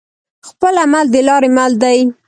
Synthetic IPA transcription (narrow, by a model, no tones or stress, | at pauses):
xpəlamald̪əlɑɾemald̪aj